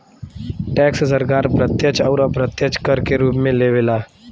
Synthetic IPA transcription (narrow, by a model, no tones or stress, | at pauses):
ʈɛːkssəɾkaːɾpɾət̪jət͡ʃɔːɾəpɾət̪jət͡ʃkəɾkeɾuːpmẽleːʋelaː